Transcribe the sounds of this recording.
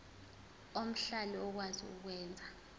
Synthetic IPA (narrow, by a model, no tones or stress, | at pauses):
om̩ɬaliɔk̬wazḭṵk̬wɛːnd͡zʱa